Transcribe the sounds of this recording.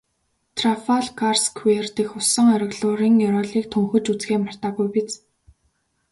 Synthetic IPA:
t̪ʰrafaɮkarskʰwert̪ĭxʊsə̆ŋœɾɪ̆ɣɮʊːɾiːŋjɔɾɔːɮiːk̚t̪ʰɵŋxɵ̆t͡ɕut͡sɡeːmar̥t̪aːɣujpit͡s

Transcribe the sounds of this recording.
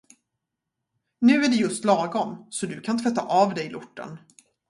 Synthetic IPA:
nʉ̟ːæɖɛjɵst̪lɑːɡɔmsɔd̪ɵkʰant̪ʰɾɛt̪ːa̰ʔɑvd̪ɛɪlʔʊ̰ʈːə̰n

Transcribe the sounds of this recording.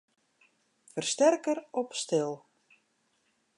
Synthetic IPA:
fərstɛrkəɾɔpstɪlˠ

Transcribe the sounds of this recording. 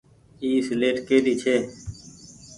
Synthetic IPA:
iːsɪleːʈkeːɾiːt͡ʃʰeː

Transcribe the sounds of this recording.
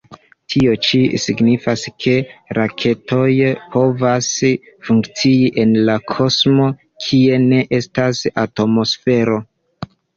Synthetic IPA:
tʰio̞t͡ʃisiɡnifaskʰe̞ɾakʰe̞to̞jpʰo̞vas | fuŋkt͡siiʔe̞nlakʰo̞smo̞ | kʰie̞ne̞ʔe̞stasato̞mo̞sfe̞ɾo̞

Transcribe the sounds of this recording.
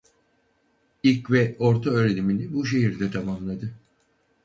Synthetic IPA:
ilʲcvɛo̞ɾt̪ʰaøːɾenʲiminibuʃ̬e̞ɦiɾd̪ɛt̪ʰamamlˠad̪ɯ

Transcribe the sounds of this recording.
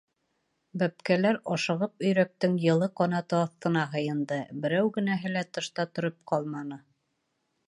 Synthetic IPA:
bæpkælæɾɒʃɤ̆ʁɤp̚ɵ̆jɾæk̚t̪ɘŋjɤ̆lˠɤqɒnɑt̪ɤɑθt̪ɤ̆nɑɦɤ̆jɤ̆nd̪ɤbɘ̆ɾæwɡɘ̆næɦɘ̆læt̪ɤ̆ʃt̪ɑt̪ŏɾɤp̚qɑlˠmɑnɤ

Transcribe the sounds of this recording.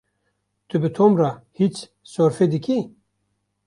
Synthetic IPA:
t̪ʰɨbɨt̪ʰomrahit͡ʃ | soɾfed̪ɨkʰʲi

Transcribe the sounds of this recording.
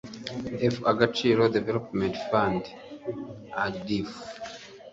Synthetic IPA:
ɛfaɡat͡ʃiɾodɛvɛlopmɛ̃ntfãnd | adif

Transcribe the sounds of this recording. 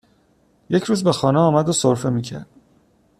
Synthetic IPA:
je̞cʰɾuːzbexɒːneɒːmæd̪osoɾfe̞miːcʰæ̰ɾd̪̥

